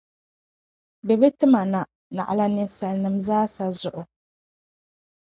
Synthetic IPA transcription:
bɛ˨bɛ˦tɨ˦ma˨na˨ | na̰˨ʔa˨la˨nɪ˨sa˨lnɨ˨mzaː˦sa˨zʊ˨ʔʊ˨

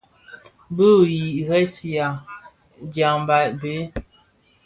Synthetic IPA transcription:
bə˦ji˨ɣɛ˦si˨a˨ | d͡ʒa˨ŋba˨ʔbe˨˦

